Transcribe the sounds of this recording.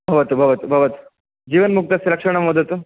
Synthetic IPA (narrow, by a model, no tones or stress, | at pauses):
bʱɐʋət̪bʱɐʋət̪bʱɐʋət̪ | d͡ʑiʋənmuk̚t̪aseɾɐkʂəɽ̃aməd̪ʱət̪